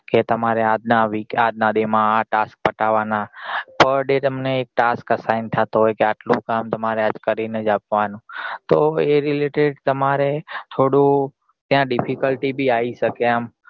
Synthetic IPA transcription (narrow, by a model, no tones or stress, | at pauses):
ket̪əmaɾead̪naʋikaːd̪̚nad̪emãʈaːsk̚pəʈaʋanapəɾɖet̪əmneːk̚ʈaːskəsaɪnt̪ʰat̪oɦoekeaʈlũkaːmt̪əmaɾead͡ʒkəɾinəd͡ʒap̚ʋanũt̪oeɾɪleʈeɖt̪əmaɾet̪ʰoːɽu | t̪jãɖɪpʰikəlʈibʱiaːisəkeam